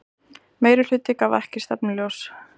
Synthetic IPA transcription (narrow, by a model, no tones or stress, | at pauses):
meːjɾɪl̥ʏːt̪ɪkavɛ̰hcɪ̥st̪apnɪljows